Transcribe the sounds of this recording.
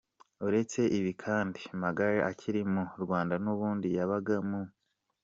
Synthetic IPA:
uɾe̞t͡se̞ʔiβikʰaːndimaɡaɾaʔacʰiɾimuɾɡwaːndanuβuːndijaβaɡamu

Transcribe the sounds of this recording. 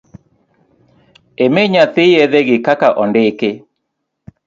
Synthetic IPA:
emeɲaθɪeðeɡɪkakaʔɔndɪke

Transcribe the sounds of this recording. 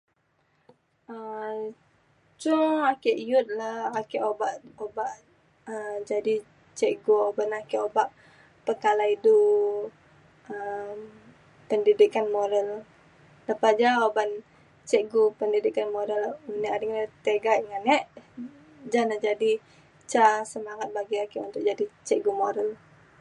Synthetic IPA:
ə | t͡ʃuŋakɛʔjut̪̚laakɛʔobaʔobaʔ | əd͡ʒadi | t͡ʃɛʔɡuobanakɛʔobaʔ | pəkalaidu | əm | pəndidikanmoɾəl | ləpad͡ʒaoban | t͡ʃɛʔɡupəndidikanmoɾəluniadiŋat̪eɡaʔiŋanɛʔ | d͡ʒanad͡ʒadi | t͡ʃasəmaŋat̪̚baɡiakiʔṵnt̪ʊk̚d͡ʒadit͡ʃɛʔɡumoɾəl

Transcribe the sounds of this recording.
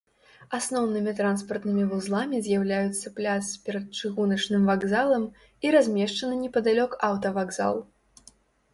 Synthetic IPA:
asnɔwnɨmʲit̪ɾanspɐrt̪nɨmʲivuzlˠamʲizʲjawlʲajut̪sːɐplʲat̪spʲɛɾɐt̪̚t͡ʂɨɣunɐt͡ʂnɨmvaɡzalˠɐm | iɾazʲmʲɛʂt͡ʂɐnɨnʲɛpɐd̪alʲɔkawt̪ɐvaɡza̰lˠ

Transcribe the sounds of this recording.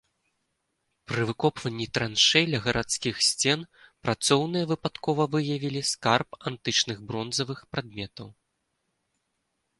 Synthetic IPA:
pɾɨvɨkɔpvɐnʲːit̪ɾanʂɛjlʲɐɣɐɾʔat̪skʲixsʲt͡sʲɛnpɾat̪sɔwnɨjɐvɨpat̪kɔvɐvɨjɐvʲilʲiskarpant̪ɨt͡ʂnɨɣbɾɔnzɐvɨxpɾʔad̪̚mʲɛt̪ɐw

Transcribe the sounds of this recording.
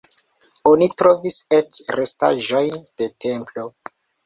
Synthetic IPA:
onitɾo̞viset͡ʃɾesta̰ʒo̞jnd̥e̞tʰe̞mplo̞

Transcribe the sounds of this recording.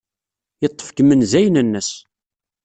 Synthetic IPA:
jət̪ˤːə̥fkəmənzæjənənːəs

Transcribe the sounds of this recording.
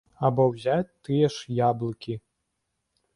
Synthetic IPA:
abɔwzʲat͡sʲt̪ɨjɛʂjablˠɨkʲi

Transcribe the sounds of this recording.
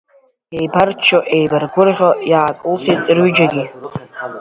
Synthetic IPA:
e̞jbart͡ʃʰoʔejbarɡʷʊrʁʲojaːkʼɨlsejtʼrɥʏd͡ʒaɡʲi

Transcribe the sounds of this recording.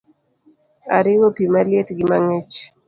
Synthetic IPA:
aɾiwopimalietɡimaŋɛt͡ʃ

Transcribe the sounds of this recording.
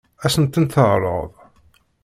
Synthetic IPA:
æsənt̪ənθəʁɾˤə̰ðˤ

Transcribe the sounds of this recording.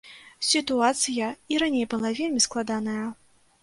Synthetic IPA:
sʲit̪uat̪sɨjɐiɾanʲejbɨlˠavʲelʲmʲisklˠad̪anɐjɐ

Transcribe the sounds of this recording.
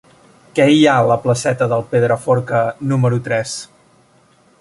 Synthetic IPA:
kɛialəpləsɛt̪əðəlˠpeðɾəfoɾkənuməɾut̪ɾɛs

